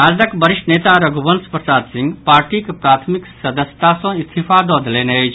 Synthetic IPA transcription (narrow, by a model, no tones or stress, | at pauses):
aːd̪ɐkbəɾiʂʈneːt̪aɾɐɡubənspɾɐsaːd̪sĩŋɡpaːɾʈikpɾaːt̪ʰmiksɐd̪əsjə̥t̪asɔ̃ist̪ʰifad̪ɔːd̪lenet͡ʃʰ